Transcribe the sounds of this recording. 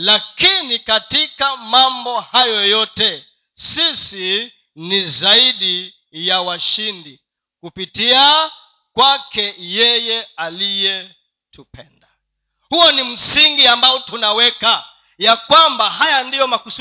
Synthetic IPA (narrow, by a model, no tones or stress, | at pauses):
lakinikatikamambɔhajɔjɔtɛ | sisi | nizaiɗi | jawaʃindi | kupitia | kwakɛjɛjɛalijɛ | tupʰɛnda | huɔnim̩siŋɡiambaɔtunawɛka | jakwambaɦajandijɔmakusu